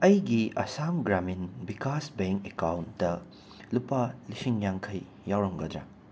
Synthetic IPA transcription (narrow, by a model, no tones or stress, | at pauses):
ɐjɡiɐsamɡɾaminbikasbeŋkekawntdɐ | lupɐlisiŋjaŋkʰɐj | jawɾɐmɡɐdɾa̰